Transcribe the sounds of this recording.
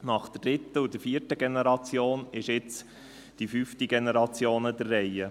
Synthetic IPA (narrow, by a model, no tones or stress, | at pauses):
nɑχd̥̪əd̥ɾɪt̪ːəud̥əɾfiːəɾtəɡenɛɾɑt͡sjoːnɪʃɪt͡s | d̥ifyftiɡenɛɾɑt͡sjoːnəd̪ərːɛjə